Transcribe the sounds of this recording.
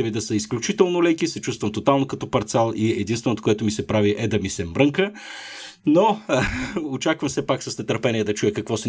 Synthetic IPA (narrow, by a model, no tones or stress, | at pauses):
ɛvid̪ɐsəisklʲut͡ʃit̪ɛlˠnolɛkisɛt͡ʃust̪vəmt̪ot̪alˠnokɐt̪ɔpɐɾt̪sɛlˠiɛd̪inst̪vɛnot̪o̥koɛt̪omisɛpɾaviʔɛd̪ɐmisɛmɾɤŋkə | no | ot͡ʃakvəmsɛpaksɐsnɛt̪əɾpɛniɛd̪ɐt͡ʃujəkɐkvɔsɛ